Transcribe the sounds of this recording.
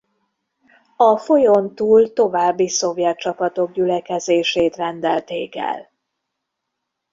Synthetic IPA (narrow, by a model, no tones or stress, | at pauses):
ɒfo̞jont̪uːlt̪o̞vaːbːiso̞vjɛt̪̚t͡ʃɒpɒt̪o̞ɡ̚ɟylɛkɛzeːʃeːt̪rɛnd̪ɛlt̪eːkɛ̰l